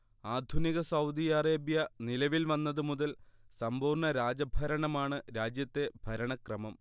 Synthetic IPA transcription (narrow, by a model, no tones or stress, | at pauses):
aːd̪ʱuniɣɐsɐwd̪ijareːbjɐnilɐʋilʋɐnːɐðɨmuðɐlsɐmbuːrɳɐɾaːd͡ʑɐbʱɐɾɐɳɐmaːɳɨɾaːd͡ʑjɐt̪ːe̞bʱɐɾɐɳɐkrɐmɐm